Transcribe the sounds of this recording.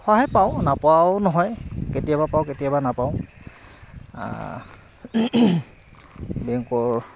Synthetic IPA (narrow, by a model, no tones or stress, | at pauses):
xɔɦajpaʊ̃napʊawnɔɦɔjketijabapaʊ̃ketijabanapaʊ̃ | bɛŋkɔɹ